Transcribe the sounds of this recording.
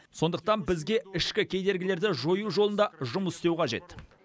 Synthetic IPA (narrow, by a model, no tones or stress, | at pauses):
so̞nd̪əq̚t̪ɑnbɪzɡʲe̞ɪʃkʲɪkʲʰejd̪e̞ɾɡʲɪle̞ɾd̪ɪʒo̞juʒolˠənd̪ɑʒʊməsɪ̥st̪e̞wqʰɑʒe̞̰t̪